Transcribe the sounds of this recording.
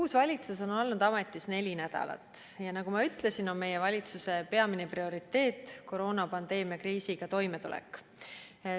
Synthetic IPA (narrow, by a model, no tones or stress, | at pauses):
kuːsvɑlʲit̪sus̬o̞no̞lnud̪̥ɑme̞t̪ːˑisne̞lʲinæd̪̥ɑ̰lɑ̰t̪ːˑ | jɑnɑɡumɑyt̪ːˑle̞sino̞nme̞jevɑlʲit̪suse̞pe̞ɑmineprio̞ɾit̪ːe̞ːt̪ːˑko̞ɾo̞ːnɑpɑnd̪̥e̞ːmiɑkriːsiɡ̥ɑt̪o̞jme̞t̪ulɛ̰kːˑ